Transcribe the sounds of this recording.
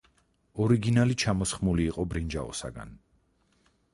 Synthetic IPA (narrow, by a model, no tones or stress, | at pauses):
ɔɾiɡinalit͡ʃʰamɔsχmuliːqʼɔbɾind͡ʒa̰ɔ̰sa̰ɡa̰n